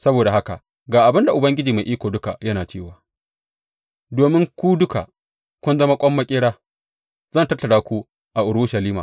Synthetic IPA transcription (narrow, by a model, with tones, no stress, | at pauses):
sɐ˦boː˨da˨ha˦ka̰˨ | ɡaː˨ʔa˨bɪ˦nda˨ʔʊ˨bɐ˦ŋɡʲɪ˦d͡ʒiː˨ma˨ʔiː˦kʷoː˨dʊ˦ka˨jɐ˦naː˨t͡ʃeː˦˨waː˨ | doː˨mɪ˦ŋkʷu˦dʊ˦ka̰˨ | kʷʊ˦nzɐ˦ma˦kʷʼɔ˦mːɐ˦kʲʼɪː˦ɽaː˦ | zɐ˦˨ntɐ˦tːɐ˨ɽaː˦kʷu˦ | ʔa˨ʔʊ˨ɽʊ˦ʃɐ˨liː˦ma̰ː˨